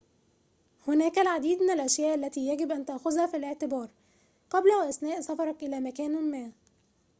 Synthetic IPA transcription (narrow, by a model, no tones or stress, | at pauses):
hʊnæːkælʕad̪iːd̪mɪnælʔæʃjæːʔælːæt̪iːjæɡɪbʔænt̪aʔxʊzhæfileʕt̪ɪbɑːɾˤ | qɑblæwæʔæsnæːʔsɑfɑɾˤɑkʔɪlæːmækæːnmæː